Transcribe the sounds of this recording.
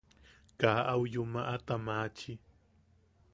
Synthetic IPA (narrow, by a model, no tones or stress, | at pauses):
kaːʔawjʊmaʔat̪amaːt͡ʃi